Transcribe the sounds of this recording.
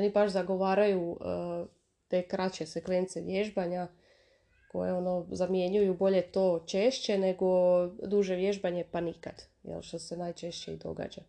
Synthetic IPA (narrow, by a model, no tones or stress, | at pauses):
o̞nibaʃzaɡo̞ʋaːɾaju | t̪e̞kɾat͡ɕeseklent̪seʋjeʒbaɲa | ko̞̰jeo̞no̞zamje̞ɲujubo̞ʎe̞t̪o̞ːt͡ʃeʃt͡ɕe̞ne̞ɡo̞d̪uːʒe̞ʋje̞ʒbaɲe̞panika̰d̪̥ | jḛlʃt̪ose̞najt͡ʃe̞ʃt͡ɕeḭd̪o̞̰ɡa̰ːd͡ʑa